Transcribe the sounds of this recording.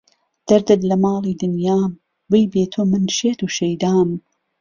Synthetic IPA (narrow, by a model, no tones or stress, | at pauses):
d̪̥ɐɾd̪ɨt̪lɐmɑːlˠiːd̪ɨnjaːm | bɨjbeːt̪ʰoːmɨnʃeːt̪uːʃɐjd̪aːm